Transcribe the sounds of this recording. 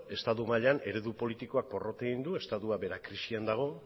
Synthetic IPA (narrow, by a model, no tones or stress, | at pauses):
e̞st̪at̪umaʎeane̞ɾe̞ðupo̞lit̪iko̞ak̚po̞ro̞t̪eɣind̪ue̞st̪aðuaβe̞ɾakɾisiand̪aɣ̞o̞